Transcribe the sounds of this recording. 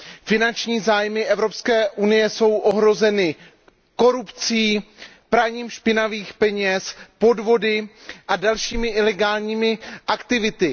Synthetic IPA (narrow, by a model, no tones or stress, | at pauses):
fɪnant͡ʃɲiːzaːjmɪʔɛvɾo̞pskɛːʔunɪjɛso̞wʔo̞ɦɾo̞zɛnɪ | ko̞ɾupt͡siː | pɾaɲiːmʃpɪnaviːxpɛɲɛspo̞dvo̞dɪʔadalʃiːmɪʔɪlɛɡaːlɲiːmɪʔakt̪ɪvɪt̪ɪ